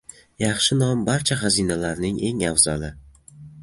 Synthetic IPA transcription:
jɑχʃɪnɒmbaɾt͡ʃʰaχɑzinalaɾnɪŋe̞ŋawzɒlɪ

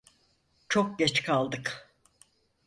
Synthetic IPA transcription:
t͡ʃʰo̞k̚ɟɛt͡ʃkʰalˠd̪ɯk

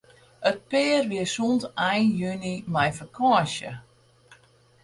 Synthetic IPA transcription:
ət̚pɪːrʋiəsuntajnjønimɛjfəkʰɔəʃə̰

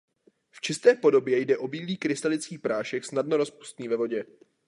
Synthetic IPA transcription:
ft͡ʃɪst̪ɛːpo̞do̞bjɛjdɛʔo̞biːliːkɾɪst̪alɪt͡skiːxpɾaːʃɛxsnadnoɾo̞spu̥st̪niːvɛvo̞ɟɛ

